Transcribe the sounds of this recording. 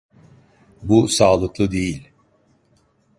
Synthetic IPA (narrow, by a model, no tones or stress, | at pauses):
busaːlˠɯklˠɯd̪e̞jilʲ